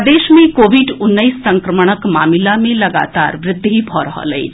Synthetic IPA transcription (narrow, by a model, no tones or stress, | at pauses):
d̪eːʃmẽkoːʋiɖʊnːəisːɐ̃ŋkɾəməɽ̃əkmaːmilamẽlɐɡa̰ːt̪a̰ːɾʋɾɪd̪ʱːibʱɔɾəɦɔ̰lə̰ḭ